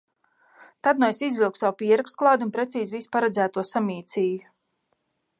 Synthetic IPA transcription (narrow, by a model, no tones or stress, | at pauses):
t̪ad̪̚nɔjsizvilˠksawpʲiɛɾakst̪̚klˠawd̪ʲunpɾet̪siːzvispaɾɛd̪zæːt̪uɔsamʲiːt̪sʲiːju